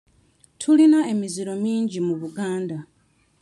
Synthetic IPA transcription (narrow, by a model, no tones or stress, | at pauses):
tʰulinae̞miziɾo̞miːɲɟimuβuɡaːnda